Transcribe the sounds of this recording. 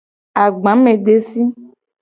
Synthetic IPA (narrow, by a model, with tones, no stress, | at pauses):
a˨ɡ͡bã˨˦mẽ˨ɖe˦si˦